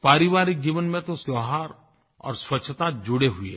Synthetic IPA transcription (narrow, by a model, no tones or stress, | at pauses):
paːɾiʋaːɾɪk̚d͡ʒiːʋənmẽt̪osjɔɦaɾ | ɔ̰ːɾswətːt͡ʃʰt̪ad͡ʒʊɽeɦuḛ